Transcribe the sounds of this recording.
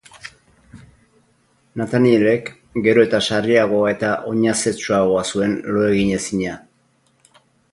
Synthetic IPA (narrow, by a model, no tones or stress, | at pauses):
nat̪anieɾe̞k | ɡe̞ɾo̞e̞t̪asariaɣ̞o̞ae̞t̪aʔo̞ɲase̞t͡ʃuaɣo̞asue̞nlo̞e̞ɣiɲe̞siɲa